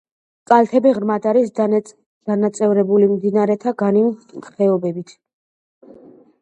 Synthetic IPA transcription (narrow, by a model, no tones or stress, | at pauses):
kʼalt̪ʰɛbiʁɾmad̪aɾis | d̪̥anat̪sʼɛvɾɛbulimd̪inaɾɛt̪ʰaɡanit̪ʰɛɔbɛbit̪ʰ